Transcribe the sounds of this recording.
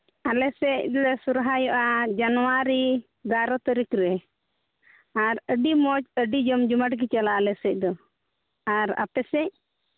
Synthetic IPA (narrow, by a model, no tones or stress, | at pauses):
alɛsɛc̚lɛsuɾɦajɔʔad͡ʒanwaɾi | ɡaɾɔt̪əɾikɾɛ | aɾəɖimɔt͡ʃəɖid͡ʒɔmd͡ʒumaʈɡit͡ʃalaːlɛsɛc̚ˀd̪ɔ | aɾa̰pɛsɛc̚